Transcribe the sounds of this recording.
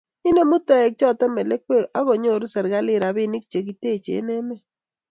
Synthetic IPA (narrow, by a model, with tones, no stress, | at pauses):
i˦ne˦mu˦tɛ˦ɛ˨k̚t͡ʃɔ˦˨tɛ˦mɛ˨le˦k̚we˦˨ʔa˦ɣo˨ɲo˦˨ɾu˦sɛ˨ɾɡa˦lɪ˦˨ɾa˨βɪ˦ni˦k̚t͡ʃe˨k̬i˨te˦˨t͡ʃḛ˨˦nɛ˦mɛ˦˨